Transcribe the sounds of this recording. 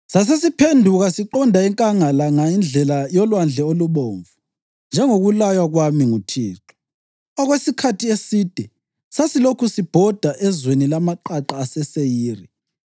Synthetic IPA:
sasesipʰendʱuɣasiǃɔndʱaɛŋkʼaŋalaŋaind͡ɮʱɛlajɔlwand͡ɮʱɛoluβoːɱvu | nd͡ʒʱɛŋoɣulajwaɣwamiŋutʰiːǁʰɔ̥ | ɔɣwesikʰatʰiesid̥ʱɛ | sasilokʰusib̥ʱɔd̥ʱaʔɛzwenilamaǃaǃaːsɛsejiːri

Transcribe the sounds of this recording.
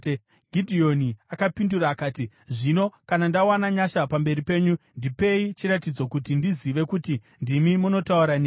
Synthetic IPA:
ɡʱidʱio̞niakapinduraːkaːti | ʐino̞kanandawanaɲaʃapambe̞ripe̞ːɲundipe̞it͡ʃiɾatid͡zo̞kutindiziʋe̞kuti | ndimimuno̞tauɾane

